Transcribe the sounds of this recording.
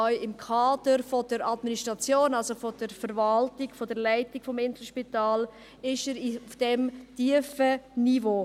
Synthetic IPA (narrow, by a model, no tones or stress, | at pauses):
ɔʏɪmkʰaːd̥əɾfod̥əɾɑdministʁɑt͡sjoːnɑlsofod̥əɾfəɾvaltiɡ̥fodəɾlaɪtiɡ̥fɔmɪntəʃpitaːl | ɪʃəɾiufd̥ɛmtiəfənivoː